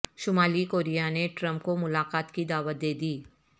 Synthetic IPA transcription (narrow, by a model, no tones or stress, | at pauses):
ʃʊmaːlikoːɾijaneʈɾə̃mpkomʊlaːkaːt̪kid̪aːʋət̪̚d̪eːd̪iː